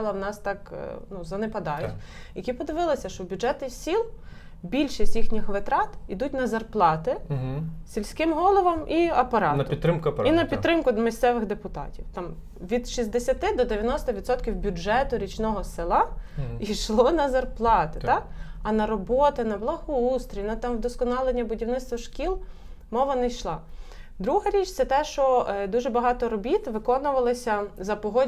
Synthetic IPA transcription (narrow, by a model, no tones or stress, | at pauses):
lˠɐwnɑst̪ɑknuzɐnepɐd̪ɑjʊtʲjɐkʲipɔd̪ɪʋɪlˠɪsʲɐʃt͡ʃɔwbʲʊd͡ʒɛt̪ɪsʲilˠ | bʲilʲʃisʲt̪ʲjixnʲixʋɪt̪ɾɑt̪id̪ut̚ʲnɐzɐrplˠɑt̪ɪɦsʲilʲsʲkɪmɦɔlˠɔʋɐmiɐpɐɾɑ̰nɐpt̪ɾɪmkʊɐpɐinɐpʲitt̪ːɾɪmkʊmisʲt̪sɛʋɪxd̪epʊt̪ɑ̰tʲiwt̪ɑm | ʋʲid̪ʃizd̪esʲɐt̪ɪd̪ɔd̪eʋʲjɐnɔst̪ɔʋʲid̪sɔt̪kʲiwbʲud͡ʒɛt̪ʊɾʲit͡ʃnɔɦɔsɪlˠɑiʃlˠɔnɐzɐrplˠɑt̪ɪ̥t̪ɑkɐnɐɾɔbɔt̪ɪnɐblˠɐɦuust̪ɾʲijnɐt̪ɑmwd̪ɔskɔnɑlˠenʲːɐbʊdʲiwnɪt̪t̪ʋɔʃkʲilˠ | mɔʋɐnɐjʃlˠɑ | d̪ɾuɦɐɾʲit͡ʃt̪sɛt̪ɛʃt͡ʃɔd̪uʒɛbɐɦɑt̪ɔɾɔbʲit̪ʋɪkɔnʊʋɐlˠɔsʲɐzɐpɔɦɔ